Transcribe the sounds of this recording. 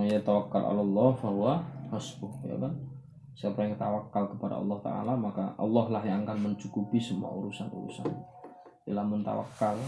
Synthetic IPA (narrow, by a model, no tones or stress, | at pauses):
ŋjat̪awakːalʔa̰lɛlːɔhfaɦuahɔsbʊhja̰ban | sapɾjŋt̪awakːalkəpada̰ɑ̰lːɔht̪a̰a̰lamakaʔɑ̰lːɔhlahɦjaŋaŋkanməɲt͡ʃukupisəmua̰ṵɾusanṵɾṵsa̰n | dilamʊnt̪a̰wa̰kːal